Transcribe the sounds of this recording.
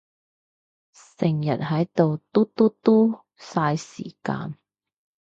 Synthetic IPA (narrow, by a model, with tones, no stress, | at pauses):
sɪ˨˩ŋjɐ˨t̚ɦɐ˨˥jt̪o˨wt̪u˥t̪u˥t̪uː˥ | saː˧jsḭː˨˩ka̰ː˧n